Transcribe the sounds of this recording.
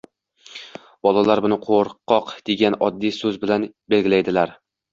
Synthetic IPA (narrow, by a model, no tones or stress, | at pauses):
bɒlˠalaɾbʊnɪqʰoɾqːɒqd̪̥eɡʲanɒd̪ːijsɵzbɪlanbe̞lɡʲɪlajd̪ɪlaɾ